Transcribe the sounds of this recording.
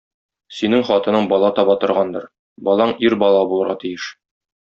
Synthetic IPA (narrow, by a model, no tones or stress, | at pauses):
sinɘŋχɒt̪ɤ̆nɤɴbɒlˠɑt̪ɒβɑt̪ŏɾʁɑnd̪ɤɾ | bɒlˠɑɴiɾbɒlˠɑbulˠɤ̆ɾʁɑt̪ijɘʃ